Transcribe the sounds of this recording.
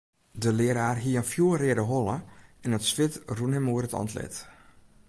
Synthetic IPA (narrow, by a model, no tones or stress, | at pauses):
dəlɪəɾaːrɦiəənfjuərɪədəɦolˠəɛnətsʋɪtrunɦɛmoəɾətɔ̰ntlɛ̰t